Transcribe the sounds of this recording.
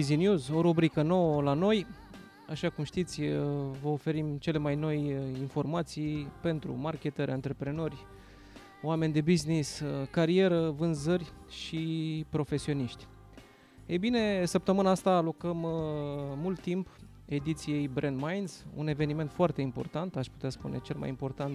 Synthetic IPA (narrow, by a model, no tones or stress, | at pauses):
izinjuzo̞ɾubɾikəno̞wəlano̞j | aʃakumʃt̪it̪sʲvəofe̞ɾimt͡ʃe̞le̞majno̞jinfo̞rmat̪sijpe̞nt̪ɾṵmarkʲe̞t̪əɾʲant̪ɾe̞pɾe̞no̞rʲ | oame̞nʲd̪e̞bizniskaɾie̞ɾəvɨnzərʲʃipɾo̞fe̞sio̞niʃt̪ʲ | ejbine̞səp̚t̪əmɨnaast̪aːlo̞kəmː | ult̪ːimp | e̞d̪it̪sije̞jbɾʔend̪majnz̥ṵne̞ve̞nime̞nt̪foart̪e̞impo̞̰rt̪ant̪aʃpu̥t̪easpṵne̞̰t͡ʃe̞lma̰jimpo̞rt̪ant̪